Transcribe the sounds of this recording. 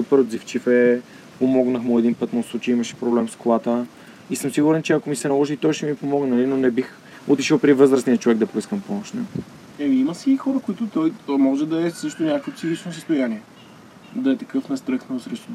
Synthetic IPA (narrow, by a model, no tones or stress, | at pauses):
upəɾod̪zift͡ʃifɛ | pomɔɡnəxmʊɛd̪inpɤt̪moslˠut͡ʃɛiimɐʃɛ̥pɾoblɛmskolˠat̪ə | isɤmsiɡuɾɛnt͡ʃɛɐkomisɛnɐlˠɔʒit̪ɔjʃɛmipomɔɡnɛɐlinonɛbix | ʊt̪iʃəlˠpɾivɤzɾəsnijət͡ʃovɛɡ̚d̪ɐpoiskəmpɔmoʃnɛ | ɛmiiməsixɔɾəkoit̪ʊt̪ɔjmɔʒɛd̪ɐɛsɤʃt̪ʊnʲakəkvəp̪sixit͡ʃnos̬əst̪ʊjaniɛ | d̪ɐɛt̪ɐkɤfnɐst̪ɾɤxnɐsɾɛʃt̪